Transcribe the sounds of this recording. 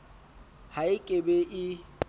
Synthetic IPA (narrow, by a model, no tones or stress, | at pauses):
haɪkʼebɛʔɪ